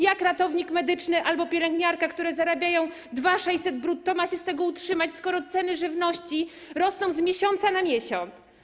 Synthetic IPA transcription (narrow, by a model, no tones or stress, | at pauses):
jakɾat̪ɔvɲikmɛd̪ɘt͡ʂnɘʔalbɔpʲjɛlɛŋɡɲaɾkakt̪uɾɛzaɾabʲjajɔ̃w̃ | d̪vaʂɛjsɛd̪bɾut̪ːɔmaɕɛst̪ɛɡɔutʂɘmat͡ɕskɔɾɔt̪sɛnɘʐɘvnɔɕt͡ɕi | ɾɔsnɔ̃w̃zmʲjɛɕɔnt̪sanamʲjɛɕɔnt̪s